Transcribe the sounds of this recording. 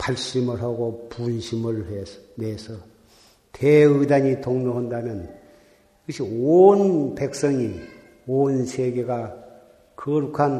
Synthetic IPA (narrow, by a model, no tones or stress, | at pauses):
paɭɕ͈imɯɭɦaɡopunɕʰimɯɭhenesʰʌ | tʰeidaɲitoŋnoɦandamjʌn | iɡʌɕʰionpek̚s͈ʌŋi | onsʰeɡe̞ɡa | kɯɾukʰan